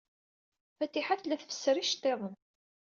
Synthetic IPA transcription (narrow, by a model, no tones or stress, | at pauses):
fæt̪iħaθlæθəfə̥sːəɾiʃt̪ːeðˤən